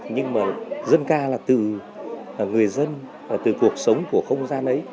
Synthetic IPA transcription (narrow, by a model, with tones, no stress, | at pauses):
ɲɨ˧ŋmaː˨˩zə˧nkaː˧laː˨˩t̪ɨ˨˩˨ | ŋɨ˨˩əjzə˧n | aː˨˩t̪ɨ̰˨˩ku˨˩ək̚sə˨˦wŋ͡mku˧˩əxə˧wŋ͡mzaː˧nʔə˨˦j